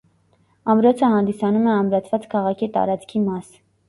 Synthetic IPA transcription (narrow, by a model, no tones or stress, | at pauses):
ɑmɾɔt͡sʰəhɑnd̪isɑnumɛɑmɾɑt͡sʰvɑt͡skʰɑʁɑkʰit̪ɑ̰ɾɑt͡skʰimɑs